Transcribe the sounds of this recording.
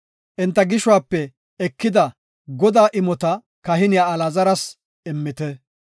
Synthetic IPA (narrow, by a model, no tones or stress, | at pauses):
ʔɪnt̪ːɐɡɪʃʊwaːpːɛ | ɛkːɪd̪ɐ | ɡɔd̪aːʔɪmɔt̪ɐ | kɐɦɪnɪjaːɐlɐzɐɾɐs | ɛmːɪt̪ɛ